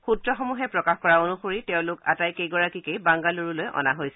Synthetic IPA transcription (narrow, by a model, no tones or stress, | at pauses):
xutɹɔxomuɦɛpɹɔkaxkɔɹaonuxoɹitɛʊ̃lʊka̰tajkejɡɔɹakikejbaŋɡaloɹulojʔɔ̰naɦojsɛ